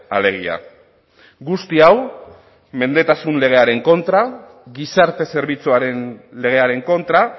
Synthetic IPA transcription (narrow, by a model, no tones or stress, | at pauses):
ale̞ɣ̞ia̰ | ɡust̪iaw | me̞nd̪e̞t̪asunle̞ɣ̞e̞aɾe̞ŋko̞nt̪ɾa | ɣisaɾt̪e̞se̞ɾβit͡suaɾe̞nle̞ɣ̞e̞aɾe̞ŋko̞nt̪ɾa